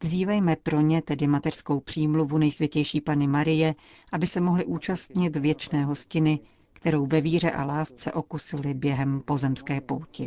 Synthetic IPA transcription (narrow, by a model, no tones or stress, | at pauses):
vziːvɛjmɛpɾo̞ɲɛt̪ɛdɪmat̪ɛr̥sko̞wpr̥iːmluvunɛjsvʲjɛcɛjʃiːpanɪmaɾɪjɛ | ʔabɪsɛmo̞ɦlɪʔuːt͡ʃast̪ɲɪt̪vjɛt͡ʃnɛːɦo̞scɪnɪ | kt̪ɛɾo̞wvɛviːr̝ɛʔa̰laːst͡sɛ̰ʔo̞kusɪlɪbjɛɦɛmpo̞zɛmskɛːpowcɪ